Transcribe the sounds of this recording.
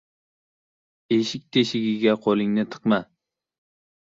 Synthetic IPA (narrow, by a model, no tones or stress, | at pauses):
eʃɪkʲt̪ʰeʃɪɡʲiɡʲɛqʰolˠɪŋnɪt̪ʰɨ̥qmɛ